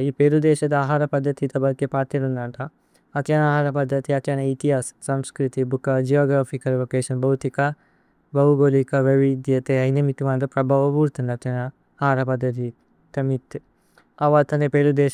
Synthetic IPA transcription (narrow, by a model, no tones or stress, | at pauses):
iːpeːɾud̪eːʃɐd̪ɐaːɦaːɾɐpɐd̪ʱːɐt̪it̪ɐbɐɾkːepaːt̪iɾunaʈɐ | ɐt̪t͡ʃɐnaːɦaːɾɐpɐd̪ʱːɐt̪iɐt͡ʃɐnɐit̪iɦaːssɐmskɾit̪ibukɐd͡ʒijoːɡɾaːfikɐlʋokeːʃɐnbɐwt̪ikɐ | bɐɦuɡoːlikɐʋɐʋid̪jɐt̪eɐjnɐmit̪iʋaːnd̪ɐpɾɐbʱaʋɐpuːɾt̪ɐnɐt̪jɐnɐː | ɦaːɾɐpɐd̪ʱːɐt̪̬i | t̪ɐmit̪ | ɐʋaːt̪ɐnepeːlud̪eː